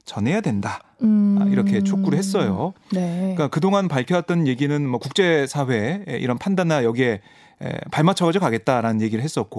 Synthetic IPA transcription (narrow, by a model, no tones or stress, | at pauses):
t͡ɕʌnɦe̞jadwenda | iɾʌkʰe̞t͡ɕʰok͈uɾɯɭɦe̞s͈ʌjonk͈akɯdoŋanpaɭkʰjʌat̚t͈ʌnje̞ɡinɯnmʌkuk̚t͡ɕ͈e̞sʰaɸwe̞̰ʔḭɾʌnpʰandanːajʌɡiɦe̞ | ḛpaɭmat͡ɕʰʌɡad͡ʑokaɡe̞t̚t͈aɾanɯnje̞ɡiɾɯɭɦes͈ʌt̚k͈o